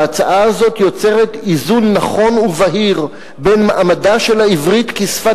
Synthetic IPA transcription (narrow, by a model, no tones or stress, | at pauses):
at͡saʔaazo̞tjo̞t͡se̞ʁetizunːaχo̞nuvaɦiʁ | benmaʔamadaʃe̞laivʁitkisfa